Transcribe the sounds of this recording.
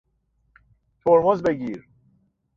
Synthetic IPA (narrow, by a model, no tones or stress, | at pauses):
t̪ʰoɾbɒːzbeɟiːɾ